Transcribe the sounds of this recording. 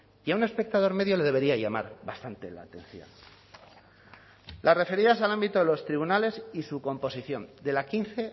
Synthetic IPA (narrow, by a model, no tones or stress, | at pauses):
jaune̞spe̞k̚t̪aðo̞ɾme̞ðjo̞le̞ð̞e̞β̞e̞ɾiaʝama̰ɾβast̪ant̪e̞la̰ːt̪ẽ̞̰n̟θjo̞̰n | lasrefe̞ɾiðasalambit̪o̞ðe̞lo̞st̪ɾiβunale̞sisuko̞mpo̞siθjo̞nd̪e̞lakinθe̞